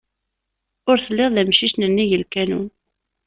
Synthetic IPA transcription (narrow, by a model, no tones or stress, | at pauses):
ʊɾθəlːɪʁðæmʃiʃnənːijəlkænun